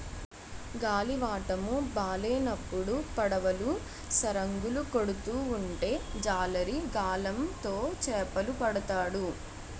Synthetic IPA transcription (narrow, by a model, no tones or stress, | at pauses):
ɡaːliʋaːʈɐmubaːleːnɐpːuɽupɐɽɐʋɐlu | sɐɾɐŋɡuluko̞ɽut̪uːɳʈe̞ːd͡ʒaːlɐɾiɡaːlɐmt̪o̞ːt͡ʃɛːpɐlupɐɽɐt̪aːɽu